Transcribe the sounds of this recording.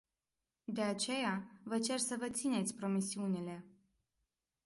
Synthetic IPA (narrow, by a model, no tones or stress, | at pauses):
d̪e̞at͡ʃe̞javət͡ʃe̞rsəvət̪sine̞t̪sʲpɾo̞misiunile̞